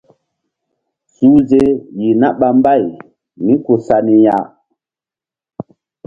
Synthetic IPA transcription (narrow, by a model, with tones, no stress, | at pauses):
suː˨˦ze˦ji˨na˦ɓa˦mba˦˨j | mĩ˦ko˨sa˨ni˨ja̰˦˨